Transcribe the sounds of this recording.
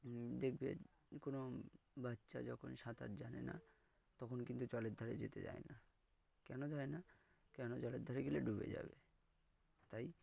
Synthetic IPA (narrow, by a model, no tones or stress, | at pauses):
d̪ekʰbḛ | konobatːʃa̰d͡ʑɔkʰonʃat̪a̰ɾd͡ʑanena̰ | t̪ɔkʰonkint̪ut͡ɕɔled̪ʱaɾed͡ʑet̪ed͡ʑa̰ena | kɛnodaena | kɛnot͡ɕɔled̪ʱaɾeɡeleɖubḛd͡ʑa̰be | t̪aj